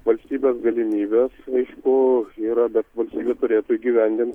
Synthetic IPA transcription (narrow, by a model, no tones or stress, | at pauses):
ʋɐlʲsʲt̪ʲiːbʲeːsɡɐlʲɪmʲiːbʲeːsɐɪʃkʊiːɾɐbʲɛt̪ʋɐlʲsʲt̪ʲiːbʲet̪ʊɾʲeːt̪uɡʲiʋʲɛnʲd̪ʲɪnt̪